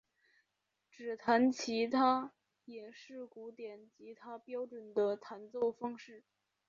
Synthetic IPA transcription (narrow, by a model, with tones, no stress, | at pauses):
ʈ͡ʂɻ̩˨˩t̪ʰa˧˥nt͡ɕʰi˧˥t̪ʰa˥ | jɛ˨˩ʂɻ̩˥˩ku˧˥t̪jɛ˨˩˦nt͡ɕi˧˥t̪ʰa˥pjɑ˥ʊʈ͡ʂwə˨˩nd̪ə˦t̪ʰa˧˥nt͡so˥˩ʊfɑ˥ŋʂɻ̩˥˩